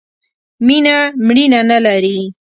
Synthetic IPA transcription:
minamɽinanalaɾi

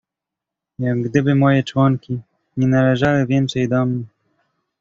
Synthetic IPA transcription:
jaɡːd̪ɘbɘmɔjɛt͡ʂwɔŋkʲi | ɲɛnalɛʐawɘvʲjɛnt̪sɛjd̪ɔmɲɛ

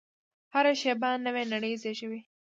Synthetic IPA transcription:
haɾaʃebanːəwenaɽəjizeʃəwi

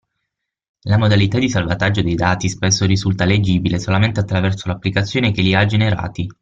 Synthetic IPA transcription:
lamod̪alit̪ad̪isalvat̪ad͡ʒːod̪ejd̪aːt̪ispesːoɾizult̪aled͡ʒiːbilesolament̪eat̪ːɾavɛrsolapːlikat̪sːjoːnekelːiad͡ʒeneɾa̰ːt̪i

